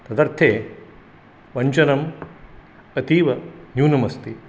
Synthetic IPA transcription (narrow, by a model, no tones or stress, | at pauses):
t̪ɐd̪ɐɾt̪ʰeː | ʋɐɲt͡ʃɐnɐm | ɐt̪iːʋɐnjuːnɐmɐst̪i